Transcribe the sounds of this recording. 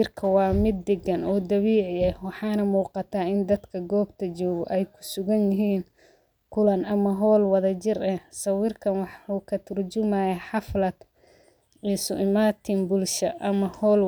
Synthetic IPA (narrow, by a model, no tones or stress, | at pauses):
ɪrkʰɐwɑːmɪd̪ːɛɡɐnɔːd̪ɐβiːʕɪɛwɑħɑːnɐmuːqɑt̪ʰaːɪnd̪ɐd̪kʰɐɡɔːbt̪ʰɐt͡ʃɔːɣɔʔɛjkʰʊ̥sʊɣɐnjɪɦiːn | kʰʊlɐnɐmɐɦɔːlwɑðɐt͡ʃɪrɛsɐwɪrkʰɐnwɑħuːkʰɐt̪ʰʊrd͡ʒʊmajɐħɑflɐd̪ | ʕiːsʊʔɪmaːt̪ʰɪmbʊlʃɐʔɐmɐhɔːl